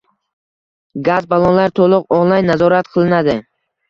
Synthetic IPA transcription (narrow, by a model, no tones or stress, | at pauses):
ɡazbalˠɒnlaɾt̪ʰolˠʊqɒnlˠajnːazɒɾat̪̚qʰɨlˠɪnad̪ɪ